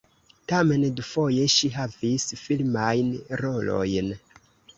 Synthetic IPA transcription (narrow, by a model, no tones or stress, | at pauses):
tame̞ndufo̞je̞ʃiɦavisfilmajnɾo̞lo̞̰jn